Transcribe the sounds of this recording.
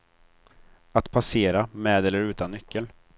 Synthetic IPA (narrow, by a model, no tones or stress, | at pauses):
at̪pʰaseːɾamɛːd̪ɛlːəɾʉ̟ːt̪anːʏkʰːəl